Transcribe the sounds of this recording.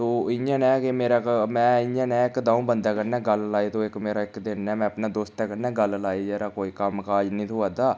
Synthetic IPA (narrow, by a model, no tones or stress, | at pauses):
t̪oːɪjãːnɛ̃ːkɪmeːɾaːkmɛ̃ːɪjãːnɛ̃ːɪkd̪ãːũbənd̪aːkəɾnɛːɡəllaːiːt̪õːɪkmeːɾaːɪkd̪ɪnːɛːmɛ̃ːəpnaːd̪oːst̪ɛːkəɾnɛ̃ːɡəllaːid͡ʒeːɾaːkoːiːkəmkaːd͡ʒnĩːt̪ʰoaːd̪aː